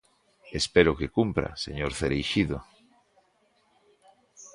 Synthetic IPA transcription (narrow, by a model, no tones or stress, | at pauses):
espeɾokekumpɾa̰seɲoɾθeɾejʃiðo